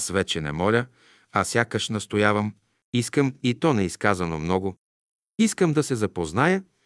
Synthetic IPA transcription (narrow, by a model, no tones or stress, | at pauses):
svɛt͡ʃɛnɛ̰mɔlʲə | asʲjakəʃnɐst̪ojavəm | iskəmit̪ɔnɛiskazɐnomnɔɡʊ | iskəmd̪ɐsɛzɐpoznajə